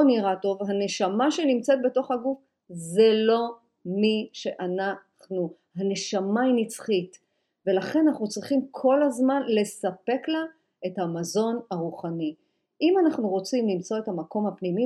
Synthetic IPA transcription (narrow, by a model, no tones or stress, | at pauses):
niʁato̞vɦane̞ʃamaʃe̞nimt͡set̪̚be̞to̞χhaɡuf | zelo̞ | miʃe̞ʔana | χnu | hane̞ʃamainit͡sχit | ve̞laχe̞nanaχnut͡sʁiχimkʰo̞lazmanle̞sape̞kla | e̞thamazo̞naʁuχani | ʔimanaχnuʁo̞t͡simlimt͡so̞ethamako̞mhapnimi